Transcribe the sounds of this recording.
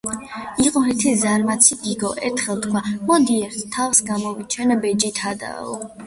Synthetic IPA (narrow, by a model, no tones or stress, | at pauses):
iqʼɔɦɛt̪ʰizaɾmat̪sʰiɡiɡɔʔɛɾt̪ʰχɛlˠt̪kʰwamɔd̪iɛɾt̪ʰt̪ʰavsɡamɔvit͡ʃʰɛnabɛd͡ʒit̪ʰad̪a̰ɔ̰